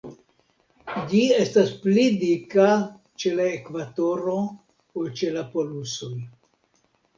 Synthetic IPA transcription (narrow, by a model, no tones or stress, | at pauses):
d͡ʒie̞stasplidika | t͡ʃe̞laekvato̞ɾo̞ | olt͡ʃe̞lapo̞luso̞j